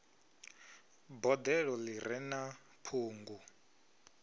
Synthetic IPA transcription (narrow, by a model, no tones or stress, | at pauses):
bɔd̪ɛɺɔlirɛna | pʰuːŋɡu